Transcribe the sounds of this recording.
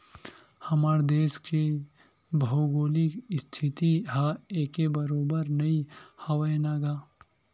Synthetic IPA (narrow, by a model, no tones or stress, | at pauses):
hɐmaːɾd̪eːske | bʱɐuɡoːlikst̪ʰɪt̪iɦaeːkebɐɾoːbəɾnɐihɐwəjnaːɡaː